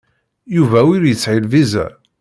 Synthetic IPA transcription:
juvæwiɾjət͡sːʕilvizæ̰

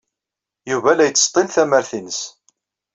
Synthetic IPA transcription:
juvælæjət͡s̪ːst̪ˤːenθæməɾθinəs

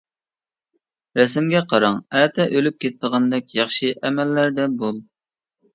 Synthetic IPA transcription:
ɾɛsɪmɡʲɛqʰɑɾɑŋæt̪ʰɛʔølyp̚kʲʰet̪ʰɪd̪əʁɑnd̪ɛk̚ʲjɑχʃɨʔɛmɛlːæɾd̪ɛbolˠ

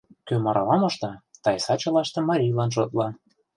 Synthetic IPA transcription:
kømɑɾʔɑlɑmɤ̆ʃt̪ɑt̪ɑjsɑt͡ɕɤ̆lɑʃt̪ɤ̆mɑɾʲijlɑnʃot̪lɑ

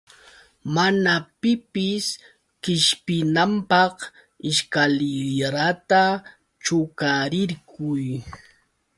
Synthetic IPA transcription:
manapɪpɪs | kɪʃpɪnampɑq | ɪʃkalɪɾat̪a | t͡ʃʊkaɾɪɾkʊj

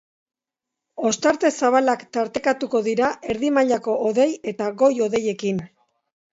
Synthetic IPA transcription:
o̞st̪aɾt̪e̞saβ̞alakt̪aɾt̪e̞kat̪uko̞ðiɾaʔe̞ɾðimaʎako̞ʔoðe̞je̞t̪aɣo̞jo̞ðe̞je̞kin

